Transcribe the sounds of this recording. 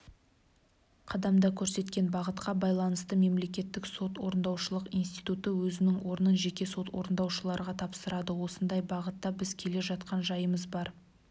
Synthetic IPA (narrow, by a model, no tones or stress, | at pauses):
qʰɑd̪ɑmd̪ɑkʲʰɵɾse̞t̪kʲe̞nbɑʁət̪qɑbɑjlˠɑnəst̪əme̞mle̞kʲe̞t̪ːɪkso̞t̪wo̞ɾənd̪ɑwʃəlˠəqijnst̪ijt̪ut̪əwɵzɪnɪŋwʔo̞ɾənəʒe̞kʲe̞so̞t̪wo̞̰ɾənd̪ɑwʃəlˠɑɾəʁɑt̪ʰɑpsəɾɑd̪əwo̞sənd̪ɑjbɑʁət̪ːɑbɪzkʲʰe̞le̞ʒɑt̪qɑnʒɑjəməzbɑɾ